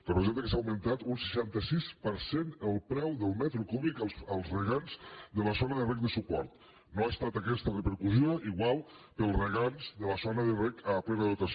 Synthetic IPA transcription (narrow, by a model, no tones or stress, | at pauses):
pəɾozet̪əkəs̬awmənt̪at̪unsə̥ʃant̪əsispəɾsenəlˠpɾɛwðəlˠmɛt̪ɾukuβlikəlˠzrəɣanzðələsonəðərɛk̚d̪əsupɔ̰ɾt̪ | noast̪at̪akɛst̪ərəpəɾkuzioiɣwalˠpəlˠrəɣanzðələsonəðərɛkəpɾɛβəðut̪as